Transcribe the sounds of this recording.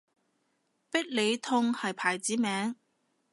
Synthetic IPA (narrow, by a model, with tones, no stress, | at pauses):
pɪ˥k̚le˨˧jt̪ʰʊ˧ŋhɐ˨jpʰaː˨˩jt͡siː˨˥mɛː˨˥ŋ